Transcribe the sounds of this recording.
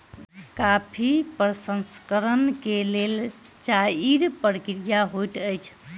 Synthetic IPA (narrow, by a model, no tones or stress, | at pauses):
kapʰipɾəsənskəɾənkelel | t͡ʃaiɾpəɾkɾijaɦojʈəjt͡ʃʰ